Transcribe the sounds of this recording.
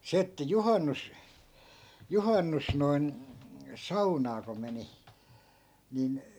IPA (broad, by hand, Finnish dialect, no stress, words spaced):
se etːæ juhɑnːus juhɑnːus noi̯n sɑunɑː ko meni nin